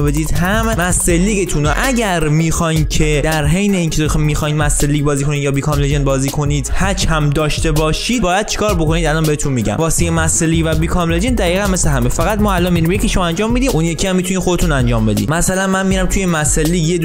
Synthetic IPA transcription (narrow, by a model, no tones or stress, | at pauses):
be̞d̪iːd̪ɦæmmæselːiːɡet̪ʰunoʔæɟæɾmiːxɒjncʰe̞d̪æɾɦejneiːncʰemixɒːj̪mæselːiːɡ̚bɒːziːkʰo̞nid̪jɒːbikʰɒːmled͡ʒenbɒːziːkʰo̞niːd̪̥hæt͡ʃhæmd̪ɒːʃt̪e̞bɒːʃiːd̪bɒːjæd̪̚t͡ʃʰi̥kʰɒːɾbokʰo̞niːd̪ælɒːnbeet̪ʰunmiɟæ̰mvɒːsijemæselːiːvæbiːkʰɒmled͡ʒend̪æɣiːɣænme̞sleɦæmefæɣæt̪mɒːælɒnmiɾimjecʰiʃmænd͡ʒɒːmːiːd̪iːmunjecʰiæmːit̪unixod̪e̞t̪ʰunænd͡ʒɒːmbe̞d̪ḭmæsælænmænmiːɾæmt̪ʰujemæselːiːɡjed̪